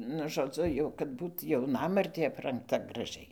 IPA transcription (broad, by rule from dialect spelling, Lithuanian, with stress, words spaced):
nʊ ʒoːˈd͡zʊ ˈjɛʊ kɐt ˈbuːt jɛʊˈnɑːmɐrʲtʲeː ɐprɐŋkˈtɐ ɡrɐˈʒʲɛɪ